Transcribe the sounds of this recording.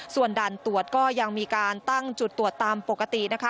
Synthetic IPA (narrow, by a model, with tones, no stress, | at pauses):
su˨˩əndaː˨˩nt̪u˨˩ət̪̚kɔː˥˩ja˧ŋmiː˧kaː˧nt̪a˥˩ŋt͡ɕu˨˩t̪ːu˨˩ət̪ːaː˧mpo˨˩kːa˧t̪i˨˩na˦˥kʰa˦˥